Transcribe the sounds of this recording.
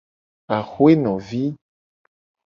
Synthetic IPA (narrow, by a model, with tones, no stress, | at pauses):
a˨xu˦e˦nɔ̃˨vi˦